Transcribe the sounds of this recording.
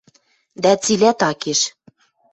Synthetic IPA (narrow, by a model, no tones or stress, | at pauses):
d̪æt͡silæt̪ɑkeʃ